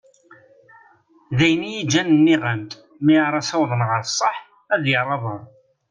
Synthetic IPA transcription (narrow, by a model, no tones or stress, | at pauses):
ðæjnijid͡ʒːænənːiʁənt̪ | miaɾˤɑsɑwðˤənʁəɾsˤːəħ | æðjəɾˤɑðˤəɾˤ